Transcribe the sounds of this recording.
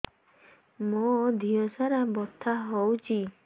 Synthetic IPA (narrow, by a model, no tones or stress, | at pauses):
mod̪ʱiɔsaɾabɔt̪ʰːaɦɔwt͡ʃʰi